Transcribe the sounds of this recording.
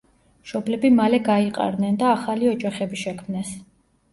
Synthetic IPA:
ʃɔblɛbimalɛɡaiqʼa̰ɾnɛnd̪aːχaliɔd͡ʒaχɛbiʃɛkʰmnɛs

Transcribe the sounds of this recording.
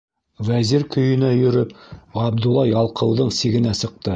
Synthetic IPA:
væziɾkɵ̆jɵ̆næjɵ̆ɾɵpʁɑb̚d̪ulˠːɑjɑlˠqɤ̆wðɤɴsiɡɘ̆næsɤ̆q̚t̪ɤ

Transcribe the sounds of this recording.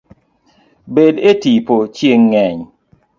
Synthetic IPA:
bedetipot͡ʃjeŋːɛɲ

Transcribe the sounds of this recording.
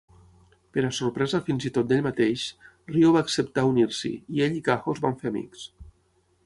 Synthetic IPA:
peɾasoɾpɾɛzafinzit̪ot̪̚d̪eʎmat̪eʃ | rioβaːksept̪auniɾsḭieʎikaxozβaɱfeamḭks

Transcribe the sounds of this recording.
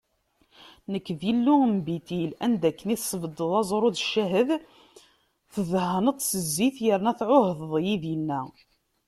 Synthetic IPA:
nəkːðilːuəmbit̪ilænd̪ækːəniθsˤːəbəd̪əðˤɑzˤɾˤoðʃːæɦəð | θəðhənət̪ˤsəzːiθjəɾnæθʕohəððˤjiðjənːæ

